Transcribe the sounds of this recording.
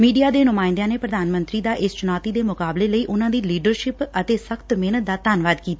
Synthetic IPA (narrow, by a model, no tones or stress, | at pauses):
miːɖijaːd̪eːnʊmaːɪ̃nd̪jãːneːpɾəd̪aːnmə̃nt̪ɾiːd̪aːʔɪst͡ʃʊnaːt̪iːd̪eːmʊkaːbleːləiːʔʊnãːd̪iːliːɖəɾʃɪpət̪eːsəkʰt̪meːnət̪̚d̪aːt̪aːnʋaːd̪kiːt̪aː